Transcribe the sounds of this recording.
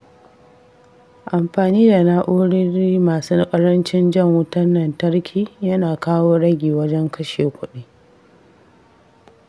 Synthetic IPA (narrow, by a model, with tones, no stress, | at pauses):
ʔa˨mɸaː˨niː˦da˨na˦ʔuː˦ɽɪ˦ɾiː˦maː˨su˦kʼɐ˦ɽɐ˦nt͡ʃɪ˦nd͡ʒɐ˦˨ŋwʊ˦tɐ˦nːɐ˨ntɐ˦ɽkʲʰiː˨jɐ˦naː˨kaː˦woː˦ɽɐ˦ɡʲiː˨wɐ˦d͡ʒɛ˦ŋkɐ˦ʃeː˨kʷʊ˦ɗiː˦